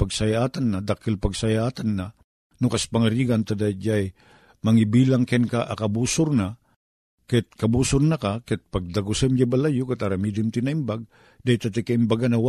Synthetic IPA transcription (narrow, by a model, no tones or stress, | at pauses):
paɡsajaʔaːt̪anːad̪akɪlpaɡsajaːt̪anːa | nʊkaspaŋaɾiːɡant̪ad̪ad͡ʒaj | mɐŋibiːlaŋkɛnkaʔakabuːsʊɾna | kat̪̚kɐbuːsʊɾnakakɛt̪̚paɡ̚d̪aɡʊsɛmd͡ʒabalajʊkat̪aɾamid̪ɪmt̪ɪnaʔimbaɡ̚ | d̪ajt̪at̪ɪkaimbaɡanaw